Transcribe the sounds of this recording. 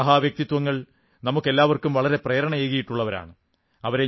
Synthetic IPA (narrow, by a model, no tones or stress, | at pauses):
ɐɦaːʋjɐk̚t̪it̪ːwʋɐŋːɐɭ | nɐmukːe̞lːaːʋɐrkumʋɐɭɐɾe̞preːɾɐɳɐjeːɣɐjiʈːuɭːɐʋɐɾa̰ːɳɨ | ɐʋɐɾe̞